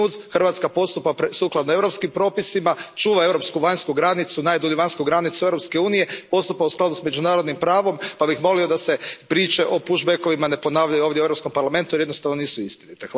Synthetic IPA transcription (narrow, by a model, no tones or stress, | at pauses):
uzxr̩ʋat̪skapo̞st̪upapɾsuːklˠad̪noe̞vɾo̞pskimpɾo̞ːpisimat͡ʃuːʋae̞ʋɾo̞pskuʋaɲskuɡɾanit̪sunaːjd̪oʎuʋaɲʲskuɡɾanit̪sue̞vɾo̞pskeuːnijepo̞st̪upausklˠad̪usme̞d͡ʒunaːɾo̞d̪nimpɾaːʋo̞mpabixmo̞lio̞d̪asepɾiːt͡ʃe̞ʔo̞puʒbeko̞ʋimane̞po̞naːʋʎajuoːʋd̪jeueɾopsko̞mpaɾlame̞nt̪ujɾijd̪nost̪aʋno̞niːsuist̪init̪e